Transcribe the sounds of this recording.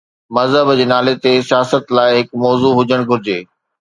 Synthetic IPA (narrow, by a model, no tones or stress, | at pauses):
mɐzɦəbd͡ʑeːnaːlet̪esijaːsət̪laːɪɦɪkmɔːzuɦʊd͡ʑəɽ̃ɡʱʊɾɪd͡ʑeː